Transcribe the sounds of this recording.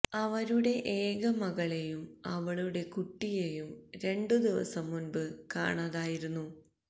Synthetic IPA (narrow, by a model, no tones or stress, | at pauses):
ɐʋɐɾuɽe̞ʔeːɣɐmɐɣɐɭe̞jumɐʋɐɭuɽe̞kuʈːije̞jumɾe̞ɳɖɨd̪iʋɐ̰sɐmːunbɨka̰ːɳaðaːjiɾunːu